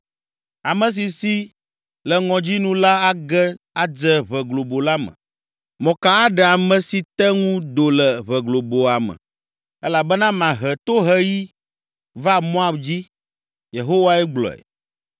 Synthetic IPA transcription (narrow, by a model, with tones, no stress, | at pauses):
a˨mə̃˨s̬i˨si˦ | lɛ˨ŋɔ̃˨d͡ʑi˦nũ˦la˦a˦ɡɛ˦ | a˦d͡zɛ˦βɛ˨ɡlo˨bo˨la˦mə̰̃˨ | mɔ̃˨ka˦a˦ɖɛ˨a˨mɛ̃˨si˨t̪ɛ˦ŋũ˦d̪o˨lɛ˨βɛ˨ɡlo˨bo˨a˨mɛ̰̃˨ | ɛ˦la˨bɛ˦nã˦mã˨ɦɛ˨t̪o˦ɦɛ˦ji˦ | va˦mɔ̃˦a˨bd͡ʑi˦ | je˨ɦo˦wa˦ɛ˦ɡ͡blɔ̰˨ɛ̰˨